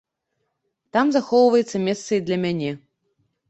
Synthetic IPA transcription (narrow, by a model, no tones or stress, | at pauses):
t̪amzaxɔwvɐjɛt̪sɐmʲɛst̪sɐid̪lʲɐmʲanʲɛ